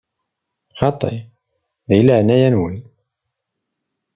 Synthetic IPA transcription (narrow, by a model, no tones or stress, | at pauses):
xɑt̪ˤːḛ | ðiləʕnæjænwəl